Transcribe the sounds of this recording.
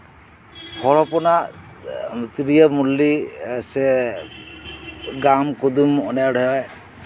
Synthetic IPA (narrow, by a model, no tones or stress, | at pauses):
hɔɭɔpɔnaʔ | t̪iɾijəmulːisɛ | ɡamkɔd̪umɔnajaɖʱɔjɔj